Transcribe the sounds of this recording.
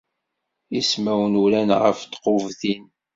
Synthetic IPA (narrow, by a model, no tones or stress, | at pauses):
ismæwənulænʁə̰ft̪qovθin